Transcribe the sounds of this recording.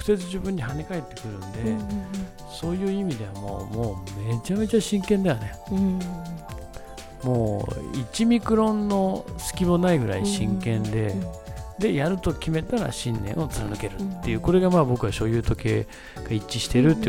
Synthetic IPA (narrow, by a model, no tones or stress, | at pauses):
kɯ̥se̞t͡sɨʑɨbɯ̃ɲ̟ːihanekae̞t̪ːe̞̥kɯ̟ɾɯ̟̃nd̪e | so̞ːjɯ̟ːimʲid̪e̞βamo̞̰ːmo̞ːme̞t͡ɕame̞t͡ɕaɕĩŋkẽ̞nd̪ajo̞ne̞ | mo̞ːḭt͡ɕimʲikɯ̟ɾõ̞nːo̞sɨ̥kʲimo̞naiɡɯ̟ɾa̰iɕĩŋkẽ̞nd̪e̞d̪e̞jaɾɯ̟t̪o̞kʲime̞t̪aɾa̰ɕĩnːẽ̞̰ɰ̃o̞t͡sɨɾanɯke̞ɾɯ̟t̪ːe̞jɯ̟ːko̞ɾe̞ɡamaːbo̞kɯ̟βaɕo̞jɯ̟ːt̪o̞ke̞̰ː | ɡ̥ait͡ɕːiɕi̥t̪e̞ɾɯ̟t̪ːe